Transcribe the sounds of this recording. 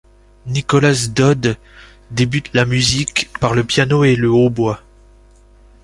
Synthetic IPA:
nikɔlasd̪ɔd̪ | d̪ebyt̪lamyzikpaʁləpjanoeləobwa

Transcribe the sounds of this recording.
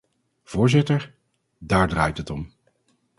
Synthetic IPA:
v̥ʊːɹzɪtəɹ | daːɹdraːjtɦətɔm

